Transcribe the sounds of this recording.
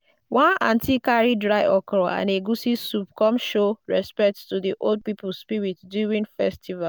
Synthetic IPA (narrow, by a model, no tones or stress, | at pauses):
wãnãntikaɹidɹaɪʔɔkɹɔã̰neɡusisupkɔmʃoɹɛspɛk̚ttudiʔold̚pipulspiɹitduĩŋfɛstʰiva